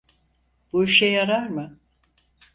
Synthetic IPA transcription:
b̥uiʃejaɾaɾmɯ

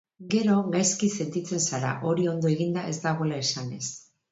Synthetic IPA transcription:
ɡe̞ɾo̞ɣajskise̞nt̪it͡se̞nsaɾa̰ʔo̞ɾio̞nd̪o̞e̞ɣind̪ae̞zd̪aɣ̞o̞elaesane̞s

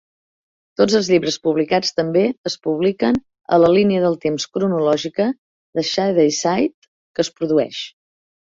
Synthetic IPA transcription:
t̪od͡zəlˠzʎiβɾəspuβlikat͡st̪əmbeəspuβ̞likən | ə̰ləliniəðəlˠt̪emskɾunulɔʒikə | ðəʃajðəjsajt̪ | kəːspɾuðuɛ̰ʃ

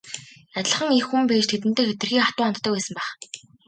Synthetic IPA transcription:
at̪ʲɮə̆χə̆ŋexːumpeːt͡ɕt̪ʰet̪̬ɘ̆n̥t̪eːxet̪ɘ̆rxiːŋχḁt̪ʊːɔnt̪t̪ʰːœːkpæːsə̆mpæːχ

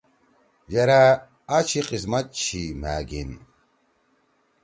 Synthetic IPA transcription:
d͡ʑɐɾa | at͡ɕʰiqismɐt̪̚t͡ɕʰima̰ːɡḭn

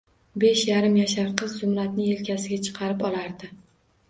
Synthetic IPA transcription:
be̞ʃjaɾɪmjaʃaɾqʰɨzːʊmɾat̪nɪe̞lkʲasɪɡʲat͡ʃʰɨ̥qʰɑɾɪpɒlaɾd̪ɪ

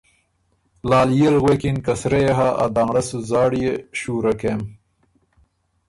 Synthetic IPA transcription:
lɑːlijelɣwekinkɐsɾejeɦaɐ̰d̪aŋɽɐsuzɑːɽijeɕuːɾɐkem

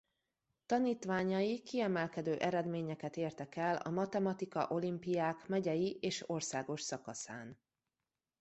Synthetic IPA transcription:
t̪ɒniːt̪ʋaːɲɒjikiɛmɛlkɛd̪øːʔɛɾɛd̪meːɲɛkɛt̪eːrt̪ɛkɛlɒ̰mɒt̪ɛmɒt̪ikɒ̰ʔo̞limpijaːkmɛɟɛjiʔeːʃo̞rsaːɡo̞ʃsɒkɒsaːn

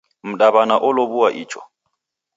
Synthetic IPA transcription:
m̩ɗaβanaʔʊlɔβuwaʔiːt͡ʃʰʼɔ̰

